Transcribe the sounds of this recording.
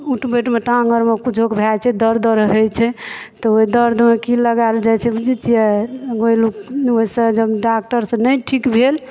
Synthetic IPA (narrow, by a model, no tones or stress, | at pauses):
uʈbeʈmeʈãŋɡəɾmekut͡ʃʰokebʱat͡ʃʰɛd̪əɾd̪ʱɾəɦɛt͡ʃʰɛt̪ɔoɦid̪əɾd̪ʱmekiləɡaeld͡ʒat͡ʃʰɛbd͡ʒit͡ʃiɛɡoilukoɦisə̃d͡ʒəbɖak̚ʈəɾsə̃nəjʈʰikbʱel